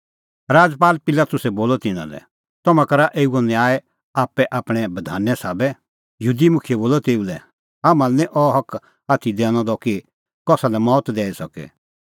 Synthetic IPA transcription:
ɾaːd͡zpaːlpɪlaːt̪ʊsɛboːlɔt̪ɪnã̰lɛ̰ | t̪ɔmãkɐɾaʔeːuɔnɛ̃aːɛ | aːpːɛʔaːpɽ̃ɛbɐd̪ʱa̰ːnːɛsaːbɛ | jəɦuːd̪imʊkʰijɛboːlɔt̪eːulɛ | aːmãlnɛ̃ʔɔɦɐk | aːt̪ʰid̪ɛːɽ̃ɔ̃d̪ɔki | kɔːsalɛmɔːt̪d̪ɛːisɐkɛ̰

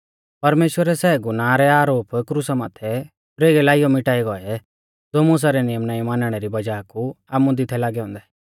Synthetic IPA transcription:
pɐɾmeːʃwəɾɛsɛːɡunãːɾɛaːɾoːpkɾusamaːt̪ʰɛ | pɾeːɡɛlaːijɔmɪʈaːiɡɔɛ | d͡zoːmʊs̬aɾɛnɪjəmnaːimaːnəɽ̃ɛɾibɐd͡ʒaːku | aːmũd̪ɪt̪ʰɛlaːɡɛɦɔ̃ːnd̪ɛ

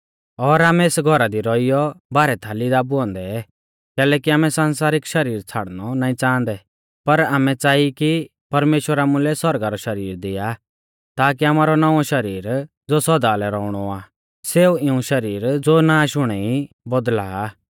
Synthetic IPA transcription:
ɔːɾaːmɛeːsɡʱɔɾad̪iɾɔijɔbaːɾɛt̪ʰalɪd̪abʊɔ̃nd̪ɛ | kɛːlɛːkiaːmɛ̃sãːns̬aːɾɪkʃɐɾiːɾt͡sʰaːɽ̤nɔnaːĩt͡sãːnd̪ɛ | pɐɾaːmɛt͡saːiki | pɐɾmeːʃwəɾamʊ̃lɛsɔɾɡaɾɔʃɐɾiːɾd̪ɪja | t̪aːk̬iaːmaːɾɔnaʋɔ̃ʃɐɾiːɾ | d͡zoːsɔd̪alɛɾɔːʊɽ̃ɔaː | seːuɪũʃɐɾiːɾd͡zoːnaːʃʊɽ̃ɛi | bɔd̪la̰ː

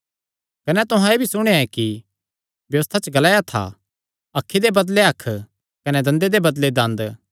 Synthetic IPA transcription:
kɐnɛt̪ʊɦãebʱisʊɽ̃eɛki | bjɐʋəst̪ʰat͡ʃɡɐlaːjat̪ʰa̰ | ɐkʰːid̪ebɐd̪leɐkʰː | kɐnɛd̪ɐ̃nd̪ed̪ebɐd̪led̪ɐ̃nd̪

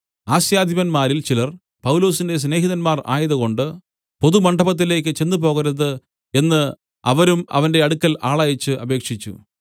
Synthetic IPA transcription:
aːɕjaːd̪ʱibɐnmaːɾilt͡ɕilɐr | pɐwlo̞ːsinde̞s̬ne̞ːɦiðɐnmaːra̰ːjɐðɐɣo̞ɳɖɨ | po̞ðumɐɳɖɐbɐt̪̬ːile̞ːk̬ʲːɨt͡ɕe̞nːupo̞ːɣɐɾɐðɨ | e̞nːɨ | ɐʋɐɾumɐ̰ʋɐnde̞ɐɽukːɐlaːɭɐjɐt͡ɕːɨʔɐbe̞ːkʂit͡ɕːṵ

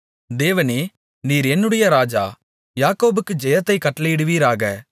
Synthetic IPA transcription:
d̪eːʋɐneː | niːɾɛnːɯɽɐjɐɾaːd͡ʒa̰ː | jaːkoːbɯkːɯd͡ʒɛjɐt̪ːɐɪkɐʈːɐlɐɪɽɯʋiːɾaːɣɐ

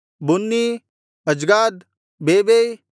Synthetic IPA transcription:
bʊnːiː | ɐd͡ʒɡaːd̪ | beːbei

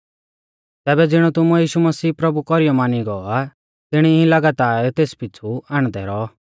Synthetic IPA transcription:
t̪ɛːbɛd͡zɪɽ̃ut̪ʊmujiːʃumɐsiːpɾɐbukɔɾijɔmaːniɡɔa | t̪ɪɽ̃iĩlɐɡat̪aːɾt̪eːspɪt͡sʰuaːɽ̃d̪ɛɾɔ

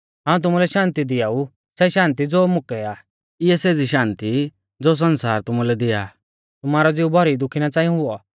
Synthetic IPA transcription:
ɦaːũt̪̬ʊmulɛʃãːnt̪id̪ɪjau | sɛʃãːnt̪̬id͡zoːmʊkɛaː | ɪɛseːd͡ziʃãːnt̪i | d͡zoːs̬ɐnsaːɾt̪ʊmulɛd̪ɪja̰ː | t̪ʊmaːɾɔd͡zɪubʱɔɾid̪ʊkʰinat͡saːijɔ̃ɦʊɔ

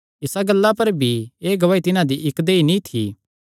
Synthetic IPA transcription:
ɪsaɡɐlːapɐɾbʱieːɡɐʋaːit̪ɪnãd̪iʔɪkd̪eːinĩt̪ʰḭː

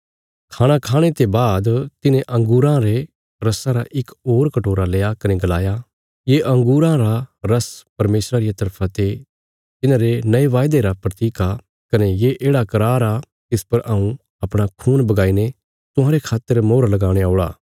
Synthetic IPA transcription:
kʰaːɽ̃akʰaːɽ̃et̪ebaːd̪t̪ɪnẽʔɐ̃ŋɡuːɾãɾe | ɾɐsãɾaʔɪkoːɾkɐʈoːɾaleːakɐneɡɐlaːja | jeʔɐ̃ŋɡuːɾãɾaɾɐspɐɾmeːsɾaɾɪjat̪ɐɾpʰãt̪e | t̪ɪnãɾenɐeʋaːjd̪eɾapɾɐt̪iːka | kɐnejeʔeːɽakɐɾaːɾa | t̪ɪspɐɾʔɐũ | ɐpɽ̃akʰuːnbɐɡaːine | t̪ʊɦãːɾekʰaːt̪ːəɾmoːɾalɐɡaːɽ̃eaːɭa̰ː

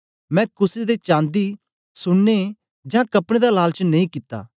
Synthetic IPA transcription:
mɛ̃kʊsed̪et͡ʃãːnd̪i | sʊɽːe | d͡ʒãːkɐpɽ̃ẽd̪alaːlt͡ʃnɐĩkɪt̪ːa̰ː

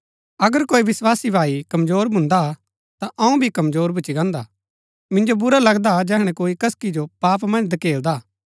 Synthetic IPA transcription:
ɐɡəɾkoːiʋɪswaːsibʱaːikɐmzoːɾbʱʊ̃nd̪a | t̪aʔɐũbʱikɐmzoːɾbʱʊt͡ʃiɡãːnd̪a | mɪ̃nd͡ʒobʊɾalɐɡd̪ad͡ʒɛːɦɽ̃ɛ̃koːikɐskid͡ʒopaːpmɐ̃nd͡ʒd̪ɐkeːld̪aː

